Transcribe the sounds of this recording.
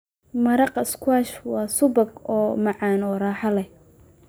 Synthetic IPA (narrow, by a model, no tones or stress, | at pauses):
mɐɾɑqɪskʰwaːʃwɑːsʊbɐɡɔːmɑʕɑːnɔːrɑːħɑlɛ